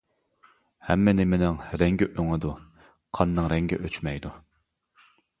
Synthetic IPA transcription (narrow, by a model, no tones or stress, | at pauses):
hɛmːɪnɪmɪnɪŋɾɛŋɡʲɛʔøŋɪd̪u | qʰɑnːɨŋɾɛŋɡʲɛ̰ʔøt͡ʃmɛjd̪u